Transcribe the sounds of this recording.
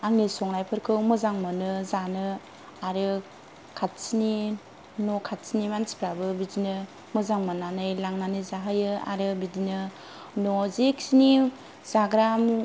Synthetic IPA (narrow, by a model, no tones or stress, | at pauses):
aŋnisɔŋnajpʰɯɾkʰɯwmɯzaŋmanɯzanɯ | aɾɯ | kʰat̚sini | nokʰat̚sinimansi̥pʰɾabɯbidinɯ | mɯzaŋmananɯjlaŋnanɯzaɦajɯa̰ɾɯbidinɯ | nɔzek̚sini | zaɡɾam